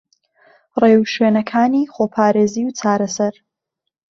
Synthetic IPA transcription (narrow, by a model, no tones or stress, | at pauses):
reːwʃweːnɐkʰaːniːχoːpʰaːɾeːziːwt͡sʰaːɾɐsɐɾ